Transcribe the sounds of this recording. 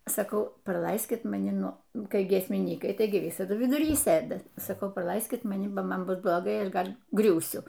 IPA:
sɐˈkɐʊ prɐˈlˠɐɪsʲkʲɪt mɐˈnʲɪ ˈnʊ ˈnʊ kɐɪ ɡʲiɛsʲmʲɪˈnʲiːkɐɪ ˈtɐɪɡʲɪ ˈʋʲɪsɐdʊ ʋʲɪdʊˈrʲiː ˈsɘdɐ sɐˈkɐʊ prɐˈlˠɐɪsʲkʲɪt mɐˈnʲɪ bɐ ˈmɐn ˈbʊs blˠoːˈɡɐɪ ˈɐʃ ˈɡɐlʲ ˈɡrʲuːsʲʊ

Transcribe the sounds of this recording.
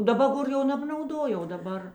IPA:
dɐˈbɐ ˈɡoːr jɛʊ nʲɛbnɐʊˈdoː jɛʊ oː dɐˈbɐr

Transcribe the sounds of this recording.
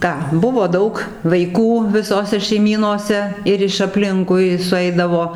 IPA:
ˈkɑː ˈbʊʋoː ˈdɐʊk ʋɐɪˈkuː ʋʲɪˈsoːsʲɛ ʃʲɛɪˈmʲiːnoːsʲɛ ˈɪr ɪʃ ɐpʲˈlʲɪŋkʊɪ sʊˈɛɪdɐʋoː

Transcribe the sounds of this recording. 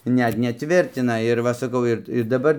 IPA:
ˈnʲɛt nʲɛˈtʲʋʲɪrʲtʲɪnɐ ɪr ˈʋɐ sɐˈkɐʊ ɪr ɪ dɐˈbɐr

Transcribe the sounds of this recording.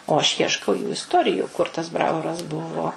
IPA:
oː ɐʃ ˈjiɛʃkɐʊ juː ɪsˈtoːrʲɪjʊ kʊr tɐs ˈbrɑːʋoːrɐs ˈbʊʋoː

